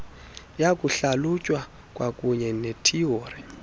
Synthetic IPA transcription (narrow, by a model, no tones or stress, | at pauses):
jakʼuɬalucʼwa | kʼwʔakʼuɲɛnetʰioːri